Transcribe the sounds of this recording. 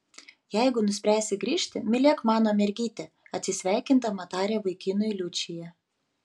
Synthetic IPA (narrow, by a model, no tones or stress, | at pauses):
jɛɪɡʊnʊsʲpʲɾʲæːsʲɪɡɾʲiːʃʲt̪ʲɪmʲɪlʲeːkmɑːnoːmʲɛɾʲɡʲiːt̪ʲɛ | ɐt̪ʲsʲɪsʲʋʲæˑɪkʲɪnt̪ɐmɐt̪ɑːɾʲɛːʋɐɪkʲɪnʊjlʲʊt͡ʃʲɪjɛ